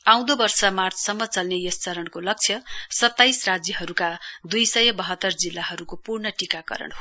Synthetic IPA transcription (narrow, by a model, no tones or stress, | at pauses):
ãw̃d̪obʌrsʌmart͡ssʌmːʌt͡sʌlnejʌst͡sʌɾʌnkolʌk̚t͡sʰjʌsʌt̪ːajsrad͡zjʌɦʌɾukad̪ujsʌjʌbʌɦʌt̪ːʌrd͡zilːaɦʌɾukopurnʌʈikakʌ̰ɾʌ̰ɳo